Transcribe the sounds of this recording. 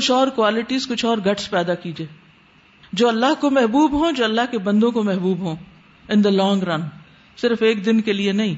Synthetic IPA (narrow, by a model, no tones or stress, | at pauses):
kʊt͡ʃʰɔːɾkwaːlɪʈizkʊt͡ʃʰɔːɾɡɐʈspɛːd̪akiːd͡ʒieː | d͡ʒoːɐlːaɦkomɛɦbuːbɦõd͡ʒoːɐlːaɦkebɐ̃nd̪õkomɛɦbuːbɦõː | ɪ̃nd̪əlɔːŋɡɾɐn | sɪɾfeːk̚d̪ɪnkelienɐɦĩ